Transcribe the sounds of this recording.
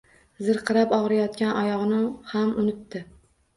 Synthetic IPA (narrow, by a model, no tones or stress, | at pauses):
zɨɾqʰɨɾapɒʁɾajɒt̪kʲanʔɒjɒʁnɪhamʊnɪt̪ːɪ